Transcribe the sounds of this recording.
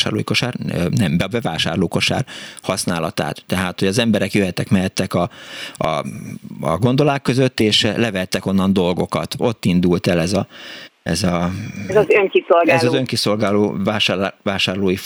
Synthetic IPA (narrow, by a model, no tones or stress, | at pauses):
ʃa̰ːrloːjiko̞ʃaːrnɛmbɛbɛvaːʃa̰ːrloːko̞ʃa̰ːrhɒsnaːlɒt̪a̰ːt̪ːɛɦaːt̪ho̞ɟɒzɛmbɛɾɛkjøɦɛt̪ːɛkmɛɦɛt̪ːɛkɒɒ̰ | ɒ̰ɡo̞nd̪o̞laːkːø̞zøt̪ːeːʃlɛvɛɛt̪ːɛko̞nːɒnd̪o̞lɡo̞kɒ̰t̪o̞t̪ːind̪ult̪ɛlɛzɒɛ̰zɒzzøŋkisolɡɛlzɒzøŋkiso̞lɡaːlo̰ːvaːʃavaːʃaːrloːji